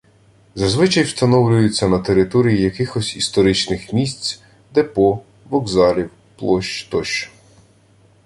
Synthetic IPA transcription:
zɐzʋɪt͡ʃɐjwst̪ɐnɔwlʲʊjʊt͡sʲːɐnɐt̪eɾɪt̪ɔɾʲijijɐkɪxɔsʲist̪ɔɾɪt͡ʃnɪxmʲisʲt͡sʲ | d̪ɛpɔ | ʋɔɡzɑlʲiw | plˠɔʃt͡ʃt̪ɔʃ

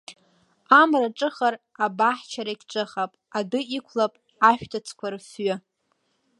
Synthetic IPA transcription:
amraʈ͡ʂʼɨχar | abaħt͡ʃʰaɾaikʲʈ͡ʂʼɨχapʼadɨikʷʰlapʼ | aʃᶣtʰat͡sʰkʷʰarsɥʊ

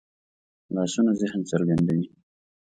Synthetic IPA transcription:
lɑsunazɪhnt͡səɾɡand̪awi

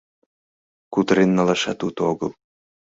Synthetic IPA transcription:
kut̪ɾenːɑlɑʃɑt̪ut̪oɣɤ̰lˠ

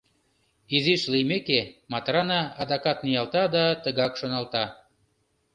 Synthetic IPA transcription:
iziʃlijmekemɑt̪rɑnɑɑd̪ɑkɑt̪̚nijɑlt̪ɑd̪ɑt̪əɣɑkʃonɑlt̪ɑ

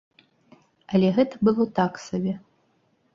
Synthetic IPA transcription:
ɐlʲɛɣɛt̪ɐbɨlˠɔt̪aksabʲɛ

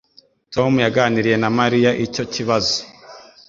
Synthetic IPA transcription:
to̞mujaɡaːniɾije̞namaɾijaʔico̞ciβazo̥

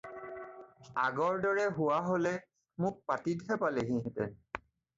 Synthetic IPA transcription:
aɡɔɹdɔɹɛɦʊwaɦolɛ | mʊk̚patidɦɛpaleɦĩɦɛtɛ̰

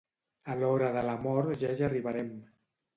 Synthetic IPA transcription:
əlɔβɾəðələmɔɾt̪ʒaʒəriβəɾɛm

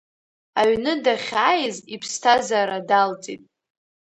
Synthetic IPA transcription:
aɥnɨdaχʲaːjzipʰstʰazaɾadalt͡sʼitʼ

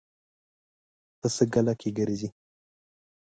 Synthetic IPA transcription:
pəsəɡalakeɡəɾezi

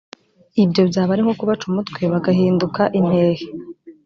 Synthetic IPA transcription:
ibjo̞bjaːβaɾiŋ̥okuβat͡ʃumutkwe̞βaɡaɦiːndukaʔin̥he̞ːhe

